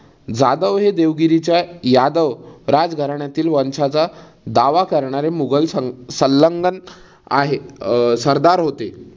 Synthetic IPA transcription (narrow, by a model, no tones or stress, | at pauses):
d͡zad̪əʋɦed̪eʋɡiɾit͡ɕjajad̪əʋɾad͡zɡʱəɾaɳjat̪iːlʋənsat͡sa | d̪aʋakəɾɳaɾemuɡəlsəsəlːəŋɡən | a̰ɦesəɾd̪aɾɦot̪e